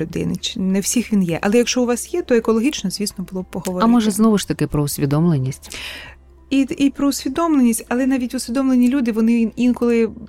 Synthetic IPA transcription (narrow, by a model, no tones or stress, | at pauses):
ʊd̪ɪ̰nɪt͡ʃnɛwsʲixʋʲinjɛʔɐ̰lˠɛjɐkʃt͡ʃɔʊʋɑsjɛt̪ɔekɔlˠɔɦʲit͡ʃnɔzʲʋʲisnɔbʊlˠɔb̚pɔɦɔɔɾmɔʒɛznɔʋʊʃt̪ɐkɪpɾɔʊsʲʋʲid̪ɔmlˠenʲːisʲtʲ | iipɾɔʊsʲʋʲid̪ɔmlˠenʲisʲtʲɐlˠɛnɑʋʲitʲʊsʲid̪ɔmlˠenʲilʲud̪ɪʋɔnɪinkɔlˠɪ